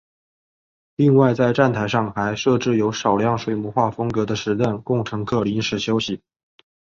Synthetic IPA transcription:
li˥˧ŋwa˥˧ɪt͡sa˥˧ɪʈ͡ʂa˥˩nt̪ʰa˧˥ɪʂɑ˥˩ŋxa˧˥ɪʂɤ˥˧ʈ͡ʂɻ̩˥˩jo˧˥ʊʂɑ˨˩ʊljɑ˧˥ŋʂwe˨˩ɪmu˧˥xwa˥˩fɤ˥ŋkɤ˧˥d̪ə˧ʂɻ̩˧˥t̪ə˥˩nkʊ˥˩ŋʈ͡ʂʰɤ˧˥ŋkʰɤ˥˩li˧˥nʂɻ̩˧˥˩ɕjo˥ʊɕi˨˦

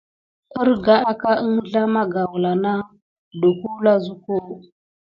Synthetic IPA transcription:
ə˦ɾɡa˦a˦ka˦ə˦ŋɮa˦ma˦ɡa˨wla˨na˦ | do˨ku˦la˦zu˦ko˦

